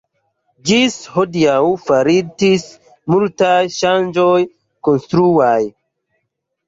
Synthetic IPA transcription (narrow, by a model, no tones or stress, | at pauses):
d͡ʒishodijawfaɾid͡ʒis | multajʃand͡ʒoj | konstɾuaj